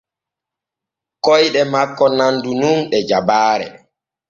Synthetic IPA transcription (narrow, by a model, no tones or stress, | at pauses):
kɔjɗɛmakːɔnandununɗɛd͡ʒabaːɾɛ̰